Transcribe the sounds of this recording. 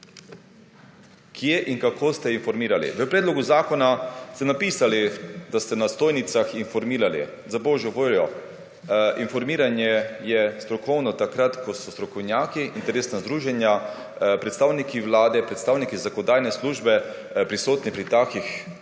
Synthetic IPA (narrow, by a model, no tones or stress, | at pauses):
kʰjeʔiŋkakʰoːst̪ɛinfɔɾmiːɾalḭʋəpɾɛːd̪lɔɡuzaːkɔnast̪ɛnapiːsalid̪ast̪ɛnast̪oːjnit̪saxinfɔɾmiːɾalḭ | zaboːʒɔʋoːljɔ | ʔinfɔɾmiːɾanjɛjɛst̪ɾɔkɔwnɔt̪akɾat̪kɔsɔst̪ɾɔkɔwnjaːkiʔint̪ɛɾeːsnazd̪ɾuːʒɛnja | pɾɛt̪st̪aːwnikiʋlaːd̪ɛpɾɛt̪st̪aːwnikizakɔd̪aːjnɛsluːʒbɛ | pɾisoːt̪nipɾit̪aːkix